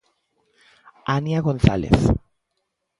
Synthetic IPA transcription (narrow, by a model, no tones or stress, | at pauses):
anjaɣonθa̰lḛθ